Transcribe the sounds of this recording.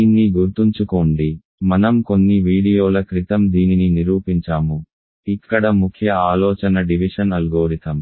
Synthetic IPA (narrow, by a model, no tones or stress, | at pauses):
iːnːiɡuɾt̪uɲt͡ʃukoːɳɖi | mɐnɐmko̞nːiʋiːɽijoːlɐkɾit̪ɐmd̪iːnininiɾuːpiɲt͡ʃaːmu | ikːɐɽɐmukʰjɐaːlɔːt͡ʃɐnɐɖiʋiʂɐnɐlɡoːɾit̪ɐm